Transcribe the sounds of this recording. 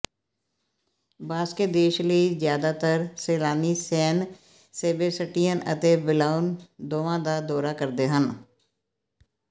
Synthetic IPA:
baːsked̪eːʃləizjaːd̪aːt̪əɾseːlaːniːsɛːn | seːbesəʈijənə̰t̪eːbɪlaːʊnd̪oːʋãːd̪aːd̪ɔːɾaːkəɾd̪eːɦən

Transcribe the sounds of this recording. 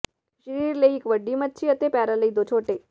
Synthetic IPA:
ʃəɾiɾləiekʋəɖːimət̪̚ːt͡ʃʰiət̪epaɾaləid̪ot͡ʃʰoːʈe

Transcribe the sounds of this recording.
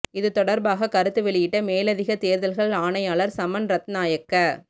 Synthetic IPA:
ɪðɯt̪ɔɽɐɾbaːɣɐkɐɾɯt̪ːɯʋɛɭɪjɪʈːɐmeːlɐðɪɣɐt̪eːɾðɐlɣɐɭaːɳɐɪjaːɭɐɾsɐmɐnɾɐt̪naːjɐkːɐ

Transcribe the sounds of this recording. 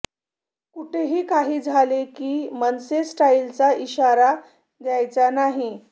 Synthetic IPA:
kuʈʰeɦiːkaɦiːd͡zʱalekiːmənsesʈailt͡saiɕaɾa | d̪jajt͡sanaɦi

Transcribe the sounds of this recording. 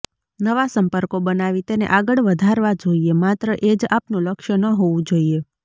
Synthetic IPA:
nəʋasəmpəɾkobənaʋit̪enḛʔaɡəɭʋəd̪ʱaɾʋad͡ʒoiemat̪ɾəʔed͡ʒapnũləkʃənəɦoʋũd͡ʒoie

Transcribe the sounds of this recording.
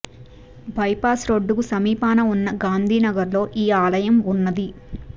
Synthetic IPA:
bʱɐjpaːsɾoɖːukusɐmiːpaːnɐunːɐɡaːnd̪ʱiːnɐɡɐɾlo̞ːʔiːaːlɐjɐmunːɐd̪i

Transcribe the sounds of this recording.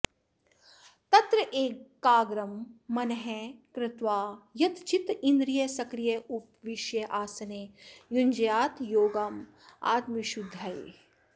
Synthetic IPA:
t̪ɐt̪ɾɐʔeːkːaːɡɾɐmːɐnɦɛkɾɪt̪ʋaːjɐt̪t͡ʃit̪ind̪ɾijɐsɐkɾijɐupʋiʃjɐʔaːsɐnejuɲʲd͡ʒjaːt̪joːɡam | a̰ːt̪miʃud̪ʱːɐj

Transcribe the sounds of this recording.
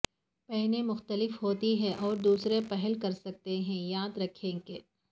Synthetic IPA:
pɛɦnẽmʊxt̪əlɪfɦoːt̪iɦɛ̃ʔɔːɾd̪uːsɾepɛɦəlkɐɾsɐk̚t̪eɦɛ̃jaːd̪ɾɐkʰẽːɡeː

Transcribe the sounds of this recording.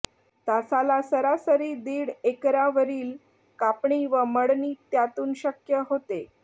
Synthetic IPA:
t̪asalasəɾasəɾiːd̪iːɽekɾaʋəɾiːl | kapɳiːʋəməɽniːt̪jat̪uːnɕəkjəɦot̪e

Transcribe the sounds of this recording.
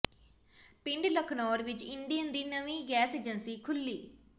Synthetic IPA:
pɪɳɖləkʰnɔːɾʋɪt͡ʃɪɳɖijənd̪iːnəʋĩːɡɛːseːd͡ʒənsiːkʰʊlːiː

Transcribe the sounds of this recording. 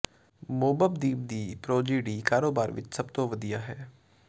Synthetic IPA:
moːbəb̚d̪iːb̚d̪iːpɾoːd͡ʒiːɖiːkaːɾoːbaːɾʋɪ̰t͡ʃsəbt̪õːʋəd̪ijaːɦɛː

